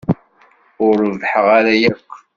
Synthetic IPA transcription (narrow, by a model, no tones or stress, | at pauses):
ʊɾvħəʁaɾæjæqː